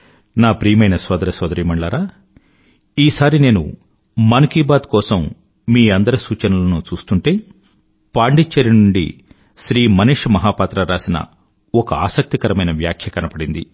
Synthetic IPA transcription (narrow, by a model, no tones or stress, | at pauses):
naːpɾiːjɐmɐjnɐsʋɐːd̪ɐɾɐsʋɐːd̪ɐɾiːmɐɳɖɭaːɾaː | iːsaːɾine̞ːnṵ | mɐnɐkiːbaːd̪kɔːsɐmː | miːɐnd̪ɐɾɐsuːt͡ʃɐnulɐnut͡ʃuːst̪uɳʈe̞ː | paːɳɖit͡ʃːɐɾinuɳɖḭ | ʃɾiːmɐniʂmɐɦaːpaːt̪ɾɐɾaːsinɐ̰ | ɔkɐaːsɐk̚t̪ikɐɾɐmɐjnɐʋja̰ːkʰjɐkɐnɐpɐɽind̪ḭ